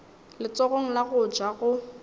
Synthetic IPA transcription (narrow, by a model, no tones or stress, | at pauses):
lɪt͡sʼɔɣoŋ̩laɣʊd͡ʒaɣʊ